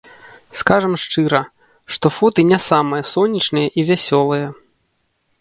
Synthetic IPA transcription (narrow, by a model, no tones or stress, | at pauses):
skaʐɐmʂt͡ʂɨɾɐ | ʂt̪ɔfɔt̪ɨnʲasamɨjɐsɔnʲːit͡ʂnɨjɐʔivʲasʲɔlˠɨjɐ